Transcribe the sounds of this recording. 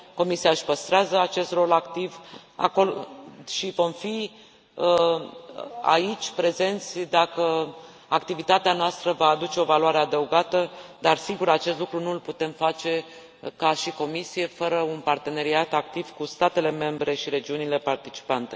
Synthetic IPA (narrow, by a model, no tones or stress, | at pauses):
ko̞misiaɨʃʲpəst̪ɾeazəat͡ʃe̞st̪ro̞lakt̪iva̰ko̞lʃivo̞mfi | ə | a̰it͡ʃʲpɾe̞ze̞nt̪sʲd̪akə | akt̪ivit̪at̪eanoast̪ɾəvaːd̪ut͡ʃe̞o̞valwaɾe̞ad̪əuɡat̪əd̪arsiɡuɾat͡ʃe̞st̪lukɾunulput̪e̞mfat͡ʃe̞ | kaʃiko̞misije̞fəɾəunpart̪e̞ne̞ɾiat̪ak̚t̪ivkust̪at̪e̞le̞me̞mbɾe̞ʃiɾe̞d͡ʒiunile̞part̪it͡ʃi̥pant̪e̞